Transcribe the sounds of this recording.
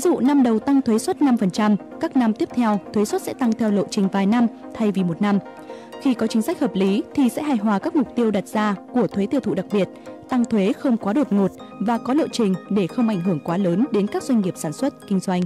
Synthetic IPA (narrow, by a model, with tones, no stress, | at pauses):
vi˨˦zṵ˧˨na˧mɗə˨˩wt̪a˧ŋt̪ʰwe˨˦swə˦˥t̚na˧mfə˨˩nt͡ɕa˧m | kaː˦˥k̚na˧mt̪i˦˥əp̚t̪ʰɛ˧wt̪ʰwe˨˦swə˦˥t̚sɛ̰˧˥t̪a˧ŋt̪ʰɛ˧wlo̰˧˨t͡ɕï˨˩ŋ̟vaː˨˩jna˧m | t̪ʰa˧jvi˨˩mo˨˩t̚na˧m | xi˧kɔ˨˦t͡ɕï˨˦ŋ̟sa˦˥k̚həː˨˩p̚li˨˦t̪ʰi˨˩sɛ̰˧˥ɦaː˧˩jɦwaː˨˩kaː˦˥k̚mʊ˨˩k͡p̚t̪i˧əwɗa˨˩t̚z̥aː˧ku˧˩ət̪ʰwe˨˦t̪i˧ət̪ṵ˧˨ɗa˨˩k̚ɓi˨˩ət̚t̪a˧ŋt̪ʰwe˨˦xə˧wŋ͡mkwaː˨˦ɗo˨˩t̚ŋo˨˩t̚ | vaː˨˩kɔ˨˦lo̰˧˨t͡ɕï˨˩ŋ̟ɗe˧˩xə˧wŋ͡mʔa˧˩jŋ̟ɦɨ˧˩əŋkwaː˨˦ləː˨˦nɗe˨˦nkaː˦˥k̚za˧jŋ̟ŋi˨˩əp̚saː˧˩nswə˦˥t̚kï˧ŋ̟zwa˧jŋ̟